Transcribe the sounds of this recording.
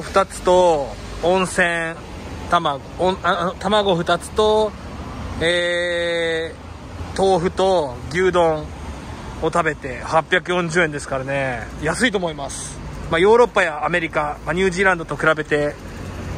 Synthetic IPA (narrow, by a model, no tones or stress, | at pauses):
ɸɯ̟t̪at͡sɨ̥t̪o̞ | õ̞ɰ̃sẽ̞ɰ | t̪amaɡoõat̪amaɡo̞ɸɯ̟t̪at͡sɨ̥t̪o̞ | eː | t̪o̞ːɸɯ̟t̪o̞ɡʲɨːd̪õ̞ɴ | o̞t̪abe̞t̪e̞hapʲːjakɯjõ̞ɲ̟d͡ʑɨːend̪e̞sɨ̥kaɾane̞jasɨit̪o̞ːmo̞imasɨ̥majo̞ːɾo̞pːajaːme̞ɾʲikamaɲ̟ɨːʑiːɾãnd̪o̞t̪o̞kɯ̟ɾabe̞t̪e̞